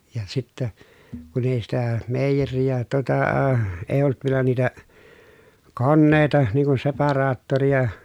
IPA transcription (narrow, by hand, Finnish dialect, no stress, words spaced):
jɑ sitːæ kun eˑi sitæ meˑijerijæ tŭotɑː eˑi̯ olt ʋielæ niːtæ konːeˑi̯tɑ niːŋ kun sepɑrɑːtːorijɑ